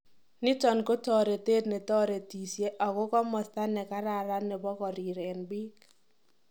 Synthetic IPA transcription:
nɪ˦tɔ˨nko˦tɔ˨ɾe˨teː˦tne˨tɔ˦ɾe˨ti˨sje˦ʔɔ˨kɔ˦kɔ˦mɔ˨sta˦nɛ˨ka˦ɾa˨ɾa˦nɛ˨bɔ˦kɔ˨ɾi˨ɾe˨nbiː˦k

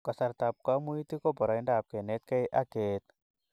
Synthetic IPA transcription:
ka˨sa˧ɾt̪a˧p̚ka˦mu˦i˦t̪i˦kɔ˦bɔ˨ɾa˨jnda˨p̚ke˨ne˦t̪̚ke˦jʔa˦ɡe˨t̪̚

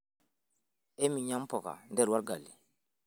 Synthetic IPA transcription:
e˦mĩ˨ɲã˦m˦pɔ˨ka̰˨ndɛ˦˨ɾwa˦ɾɡa˨li˨

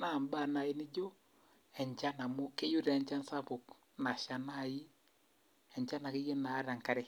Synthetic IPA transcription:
na˨mba˦˨na˨i˨ni˦d͡ʒɔ˦ | ɛ˨ɲd͡ʒa˦na˨mo˦ke˦ju˦ɾɛ˨ɲd͡ʒa˦n˦sa˦βo˨k | na˨ʃa˨na˦˨i˦ | ɛ˨ɲd͡ʒa˦na˨ke˦ɣe˦naː˨˦ɾa˨ŋka˦ɾɛ˨

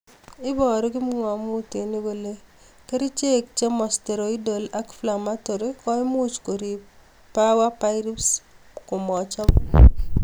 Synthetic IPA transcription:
ɪ˦bɔ˨ɾɔ˦kɪ˦m˦ŋwa˨mʊ˦te˨ni˦we˦le˦ | ke˦ɾi˦t͡ʃe˦k̚t͡ʃe˦mɔ˨ste˨ɾo˨i˦do˨la˦kfla˨ma˦to˨ɾi˦kɔ˦ɪ˦mu˦t͡ʃko˨ɾi˨ | pa˦wa˦pa˦ɪɾi˦ps | kʊ˨mɔ˨t͡ʃɔ˦

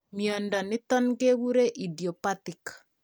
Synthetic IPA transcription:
mjɔ˨ndɔ˨nɪ˦t̪ɔ˦nɡe˦wu˦ɾe˦ʔi˨di˨ɔ˨pa˦tɪ˨k

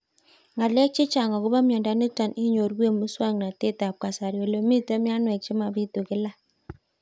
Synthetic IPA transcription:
ŋa˨le˦t͡ʃi˦t͡ʃa˨ŋa˨ɡu˦ba˦mi˦˨ɔ˨da˨˦ni˦ta˨nʔi˦ɲo˨ɾwe˦m˨i˦sa˦˨ŋ˨na˨te˦˨ta˨p̚ka˨sa˨ɾi˨o˨lo˨˦mi˦˨tə˦mi˦a˦nwe˨t͡ʃi˦ma˨bi˦to˨ɡi˦la˦

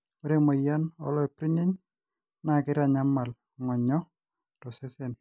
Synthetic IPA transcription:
o˦ɾe˦mo˨ja˦nɔ̰˨lɔ˦ɛ˨pɾi˦ɲe˦ɲ | na˦˨kɪ˦ɾa˦˨ɲa˦mːa˨l | ŋɔ˨ɲɔ˦ | tɔ˨sɪ˦se˨n

